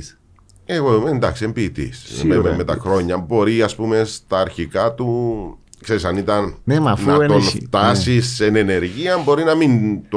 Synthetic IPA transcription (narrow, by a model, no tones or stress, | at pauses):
eɣoðumeend̪ɐksiembiːt̪ḭsmememːe̞t̪ɐxɾo̞ɲːɐbo̞ɾiɐspume̞st̪ɐːɾçikɐt̪u | kse̞ɾisɐnit̪ɐnnemɐnːuɐonft̪ɐsisenene̞ɾʝiɐmbo̞ɾinɐmint̪